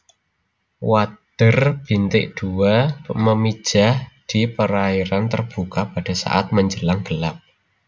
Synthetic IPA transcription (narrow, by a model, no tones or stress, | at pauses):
wad̪̥ərb̥int̪ɪʔd̪̥uaməmid̥ʒ̥a̤hd̪̥i̤pəɾaiɾant̪ərb̥ukapaɖ̥a̤sa̰ʔa̰t̪̚məɲd͡ʒəlaŋɡ̥əlap̚